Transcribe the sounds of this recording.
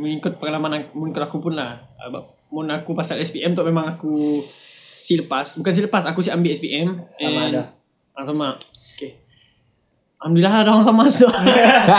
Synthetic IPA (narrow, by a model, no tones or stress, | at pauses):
məŋikʊt̪̚pəŋalamanaməŋikʊt̪akupunlah | ə̰ba̰ | munakupasalɛspiʔɛmt̪ɔʔmemãŋaku | siləpasbukans̬iləpasakus̬iʔambiɛspiʔɛmɛ | asama | oke | amdiladaɦaŋs̬amast̪ɔ